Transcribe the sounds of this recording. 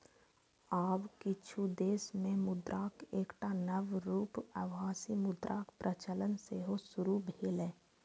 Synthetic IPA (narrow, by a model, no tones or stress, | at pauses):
aːwkɪt͡ʃʰud̪eːsmẽmʊd̪ɾʔaːkeːkʈanəʋɾuːpəʋɦaːsimʊd̪ɾʔaːkpɾʔət͡ʃələnseɦosʊɾubʱeːleː